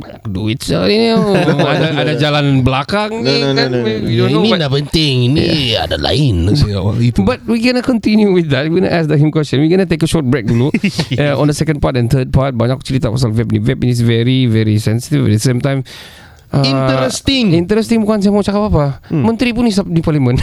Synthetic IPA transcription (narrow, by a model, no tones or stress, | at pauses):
akduitsə̰inadaadad͡ʒalanbəlakaŋnanidõninapənt̪ɪŋinia̰da̰la̰ɪn̰ | bat̚wikɛnəkɔ̃ntinjuwiθd̪ɛt̚wiɡna̰ʔasd̪əhĩmkwɛst͡ʃə̃nwiɡɔnat̪ekəʃɔt̚bɛk̚duluɔ̃ndəsɛkə̃npatɛ̃nt̪ʰəd̚pat̚baɲak̚t͡ʃəɾit̪apas̬alvɛp̚nivɛpinisvɛɹivɛɹisɛ̃nsi̥tivɛ̰dəsẽmtãjm | ʔanəɾəst̪ɪŋĩnt̪əɾəst̪iŋbukans̬amɔt͡ʃakapapamə̃nt̪ɾipunis̬ap̚nipalimə̃n